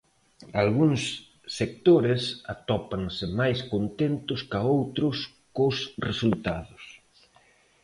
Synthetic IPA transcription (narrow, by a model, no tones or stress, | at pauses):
alɣuŋsː | ek̚t̪oɾɪsat̪ɔpaŋsɪmajskont̪ent̪ʊskaowt̪ɾʊs | kosresult̪aðʊs